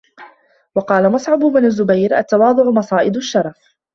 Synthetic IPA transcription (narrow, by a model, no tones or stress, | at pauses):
wɑqɑːlamɑsˤʕʊbʊbnazːʊbajɾʔa̰t̪ːɑwɑːd̪ˤʊʕʊmɑsˤɑːʔɪd̪ʊʃːɑɾˤɑf